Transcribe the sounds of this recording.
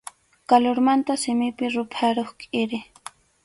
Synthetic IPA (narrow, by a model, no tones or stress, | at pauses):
kaloɾmant̪asɪmɪpɪɾʊpʰaɾoχkʼɪɾɪ